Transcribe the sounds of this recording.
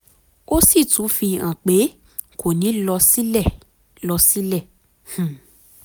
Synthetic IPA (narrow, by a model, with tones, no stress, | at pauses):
o˦si˦˨tũ˨˦fi˧ã˨k͡pe˨˦ | ko˨nĩ˨˦lɔ˧si˦lɛ˦˨ | lɔ˧si˦lɛ˦˨ | h̩˦˨